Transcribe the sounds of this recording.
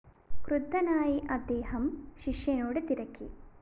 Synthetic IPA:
kɾud̪ːɐnaːjiʔɐd̪eːhɐmʃiʃjenoːɽit̪iɾɐki

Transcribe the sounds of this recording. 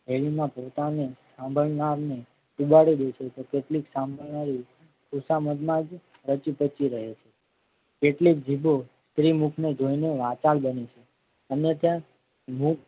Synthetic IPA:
ɦeɭimãpot̪anesãmbʱəɭnaɾne | ubaɽid̪et͡ʃʰet̪okeʈliksãmbʱəɭnaɾi | kʰusaməd̪mãd͡ʒ | ɾət͡ʃipət͡ʃiɾəɦet͡ʃʰe | keʈlik̚d͡ʒʱibost̪ɾimukʰned͡ʒoineʋãt͡ʃalbənet͡ʃʰe | ənet̪jã | muk̚

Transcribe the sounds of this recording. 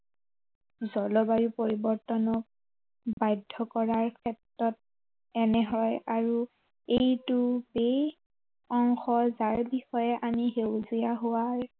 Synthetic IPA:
zɔlɔbajupoɹibɔɹtɔnɔk̚ | bajdʱːɔkɔɹaɹkʰɛtɹɔt̚ | ɛnɛɦɔjaɹu | ejtubej | ɔŋxɔzaɹbixɔjɛʔamiɦewzijaɦʊwaɹ

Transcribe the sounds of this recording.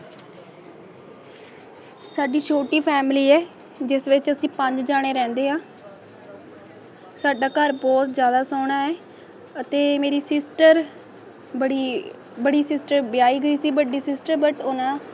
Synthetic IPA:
saːɖiːʃʰoːʈiːpʰɛːmliːɛː | d͡ʒɪsʋɪt͡ʃəsĩːpəɲd͡ʒd͡ʒaːɽ̃eːɾɛ̃ːnd̪eːɦãː | saːɖaːkəɾbɔːt̪zjaːd̪aːsoːɽaːɛː | ət̪eːmeːɾiːsɪsʈəɾ | əɽiː | bəɽiːsɪsʈəɾbɪjaːiːɡəiːsiːbəɖiːsɪsʈəɾbəʈʊnãː

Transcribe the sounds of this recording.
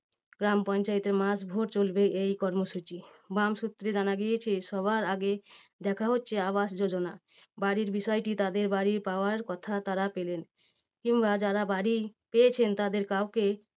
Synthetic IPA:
ɡɾampɔnt͡ɕaet̪eɾmasbʱoʈt͡ɕolbeejkɔɾmoʃut͡ɕibamʃut̪ːɾed͡ʑanaɡijet͡ɕʰeʃɔβaɾaɡe | d̪ɛkʰaɦotːɕʰeaβaʃd͡ʑod͡ʑona | baɽiɾbiʃɔeʈit̪ad̪eɾbaɾiɾpaoaɾkɔt̪ʰat̪aɾapelen | kimbad͡ʑaɾabaɽipeet͡ɕʰent̪ad̪eɾkawke

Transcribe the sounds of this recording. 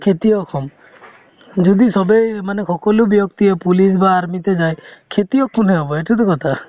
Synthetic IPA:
kʰet̪iɔkʰɔm | d͡ʒud̪isɔbejmanexʰɔkɔlubjɔk̚t̪iepulisbaːɾmit̪ed͡ʒajkʰet̪iɔkʰːuneɦɔbɔeʈut̪ukɔt̪ʰa

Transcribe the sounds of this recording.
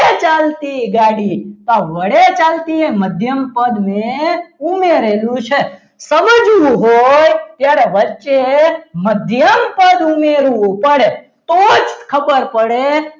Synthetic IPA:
et͡ʃalt̪iɡaɽit̪aʋəɽet͡ʃalt̪ieməd̪ʱjəmpəd̪neumeɾelũt͡ʃʰe | səmd͡ʒũɦojt̪jaɾeʋət͡ʃeməd̪ʱjəmpəd̪umeɾũpəɽe | t̪ot͡ʃ̪kʰəbəɾpəɽe

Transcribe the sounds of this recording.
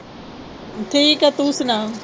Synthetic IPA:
ʈʰiːkat̪usna

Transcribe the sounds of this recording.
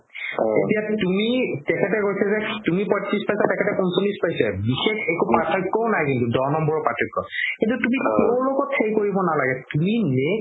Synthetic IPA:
etijatumitɛkʰɛtɛkojsɛzɛtumipɔtːispajsatɛkʰɛtɛkunsʰonispajsɛbixekʰekupatʰɔkːɔʊnajkintudɔnɔmbɔɹɔpatʰɔkːɔ̰kĩntutumiteɹloɡɔtʰːejikoɹibɔnalaɡɛtumine

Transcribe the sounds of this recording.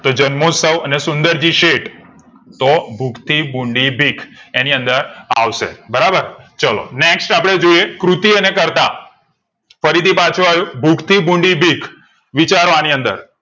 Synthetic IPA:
t̪od͡ʒənmosəʋənesʊnd̪əɾd͡ʒiʃeʈ | t̪obʱukʰt̪ʰibũɳɖibʱikʰeniənd̪əɾa̰ʋʃḛbəɾabəɾt͡ʃəlo̰neksʈapɽ̃ed͡ʒoiekɾut̪iənekəɾt̪a | fəɾit̪ʰipat͡ʃʰũajũbʱukʰt̪ʰibũɳɖibʱikʰ | ʋit͡ʃaɾʋaniənd̪ə̰ɾ

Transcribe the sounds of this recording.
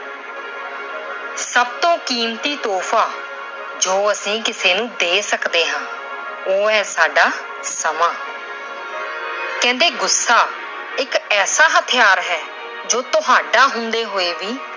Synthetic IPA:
səb̚t̪õːkiːmt̪iːt̪ɔːpʰaː | d͡ʒoːəsĩːkɪseːnũːd̪eːsəkd̪eːɦãː | oːɦɛːsaːɖaː | səmaː | kɛ̃ːnd̪eːɡʊsːaː | ɪkɛːsaːɦət̪ʰɪjaːɾɦɛː | d͡ʒoːt̪ʊɦaːɖaːɦʊnd̪eːɦoːeːʋiː

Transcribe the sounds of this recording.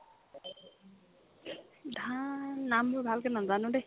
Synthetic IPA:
dʱanːambʊbʱalkɛnazanude

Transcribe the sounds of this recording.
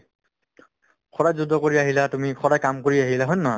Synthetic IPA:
kʰɔɹajzudʱːɔkoɹiaɦilatumixʰɔdajkamkoɹiaɦilaɦonːɔɔ

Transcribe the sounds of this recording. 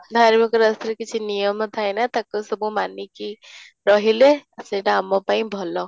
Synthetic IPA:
d̪ʱaɾmikɾəst̪ɾkit͡ʃʰinijəmt̪ʰajnat̪aksəbũmaniki | ɾɔɦileəsleɖamɔpaĩbʱɔlɔ

